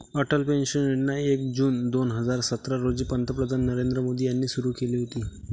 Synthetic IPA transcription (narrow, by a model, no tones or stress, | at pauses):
əʈəlpenɕəneʈnaekd͡ʑuːnd̪onɦəd͡zaɾsət̪ɾaɾod͡ʑiːpənt̪ʰəpɾəd̪ʱanːəɾend̪ɾəmod̪ʱiːjanːiːsuɾuːkeliːɦot̪iː